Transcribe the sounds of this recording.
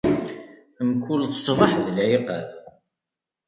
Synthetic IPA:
əmkulsˤːvɑħðəlʕiqə̰ð

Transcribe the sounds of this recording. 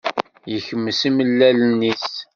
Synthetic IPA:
jəçəmːəsiməlːælənːis

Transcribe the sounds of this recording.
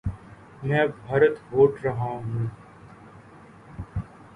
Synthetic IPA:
mɛ̃ːbʱəɾət̪ɦoːʈɾəɦãːɦũː

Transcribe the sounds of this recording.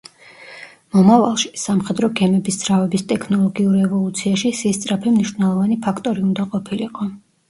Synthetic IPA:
mɔmava̰lˠʃi̥samχɛd̪ɾɔɡɛmɛbisd̪z̥ɾavɛbist̪ʼɛkʰnɔlˠɔɡiuɾiɛvɔlˠut̪sʰiaʃisist̪sʼɾapʰɛmniʃɾnɛlˠɔvanipʰakʰt̪ʼɔɾiund̪aqʼɔpʰiliqʼɔ

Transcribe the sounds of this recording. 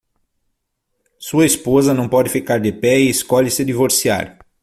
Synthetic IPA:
suɐespozɐnɐ̃w̃pɔd̪ɪfikaɾd̪ɪpɛɪːskɔʎɪsɪd̪ivoɾsia̰ɾ

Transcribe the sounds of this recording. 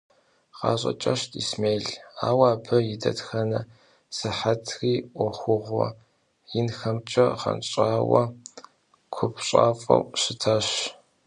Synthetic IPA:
qɑːɕʼɐ̰t͡ʃʼɐʃtʰʼismeːɮaːwaːpʰɐjɪdɐtxɐnɐ | sɨħatʰxiːʔʷʊxʷʊʁʷɔ | jɪnxɐmt͡ʃʼɐχɐ̰nɕʼaːwɐ | kʷʰʊpʰɕʼaːfʼɐ̰wɕɪtʰɐɕ

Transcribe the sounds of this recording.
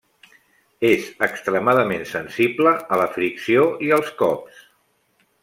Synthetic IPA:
ezəkst̪ɾəmaðəmensənsibləələfɾiksioiəlˠskɔps

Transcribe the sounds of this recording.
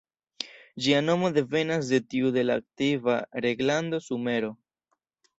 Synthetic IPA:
d͡ʒiano̞mo̞de̞ve̞nas̬de̞tiude̞laːk̚tivaɾe̞ɡlando̞sume̞ɾo̞

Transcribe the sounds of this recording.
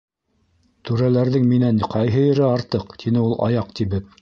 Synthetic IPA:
t̪ʉɾælæɾðɘŋminænqʰɑjɦɤ̆ɘ̆ɾɘɑɾt̪ɤqt̪ʰinɘulˠɑ̰jɑq̚t̪iβɘp̚

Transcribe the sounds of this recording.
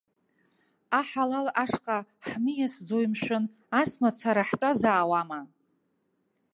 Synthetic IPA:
aħalalaʂqʼaħmijasd͡zojmʃʷᶣʊn | asmat͡sʰaɾaħtʼazaːwama

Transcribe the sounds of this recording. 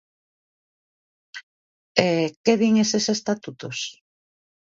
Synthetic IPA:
ekeβiŋesesest̪at̪ut̪os

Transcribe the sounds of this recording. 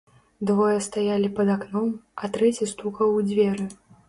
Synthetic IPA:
d̪vɔjɛst̪ajalʲipɐd̪aknɔmɐt̪ɾɛt͡sʲist̪ukɐwud͡zʲvʲɛɾɨ

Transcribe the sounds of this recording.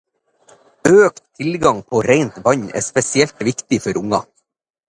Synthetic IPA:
øːkt̪ʰɪlɡɑŋpʰoːɾeɪnt̪ʋɑɲæ̰ːspɛsɪɛlt̪ʋɪkt̪ɪfɔɾʊŋɑ

